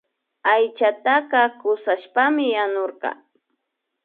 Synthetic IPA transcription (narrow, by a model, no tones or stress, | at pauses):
ajt͡ʃat̪aqɑkʊsaʃpamɪjanoɾqɑ̰